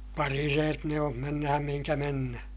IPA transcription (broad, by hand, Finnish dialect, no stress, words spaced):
pɑrireːt ne om menːæhæm mihiŋkæ menːæhæ̥